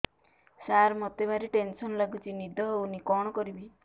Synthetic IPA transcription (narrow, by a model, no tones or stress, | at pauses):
saɾmɔt̪ebaɾiʈensɔnlaɡut͡ʃʰinid̪ʱɔɦunikɔɽ̃ɔkɔɾibi